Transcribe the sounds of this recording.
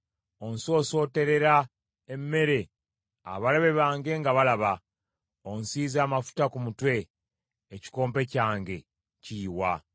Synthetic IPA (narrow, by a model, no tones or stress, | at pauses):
o̞nso̞ːso̞ːte̞ɾe̞ɾa | emːe̞ɾe̞ | a̰βaleβe̞βaːŋɡe̞ŋɡaβalaβa | onsiːzaːmafu̥takumutwe̞ː | ci̥ko̞ːmpe̞caːŋɡe̞ | ciːwa